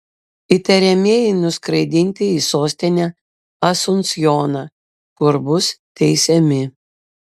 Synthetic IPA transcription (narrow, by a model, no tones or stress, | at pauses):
ɪt̪ʲɛɾʲɛmʲiɛjɛɪnʊskɾɐɪd̪ʲɪnʲt̪ʲɪiːsoːsʲt̪ʲɪnʲæ | ɐsʊnsjoːnɑː | kʊɾbʊst̪ʲɛɪsʲɛmʲɪ